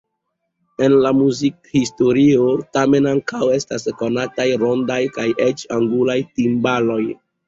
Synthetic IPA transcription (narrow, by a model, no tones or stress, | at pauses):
e̞nlamuzik̚histo̞ɾiotame̞naŋkawe̞stasko̞natajɾo̞ndajkajʔet͡ʃaŋɡulajtimbalo̞j